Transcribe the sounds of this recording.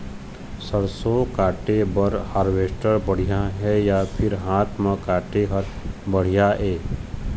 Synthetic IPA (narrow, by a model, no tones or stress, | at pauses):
səɾsokaːʈebəɾhaːɾʋeːsʈəɾbəɽ̤ijaɦɛjapʰɪɾɦaːt̪ʰmə̃kaːʈeɦəɾbəɽ̤ijaɛː